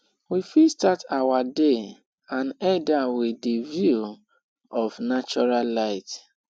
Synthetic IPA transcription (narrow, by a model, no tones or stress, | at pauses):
wifistatʰawade | ãnɛdawidivju | ɔfnat͡ʃɔɹallaɪt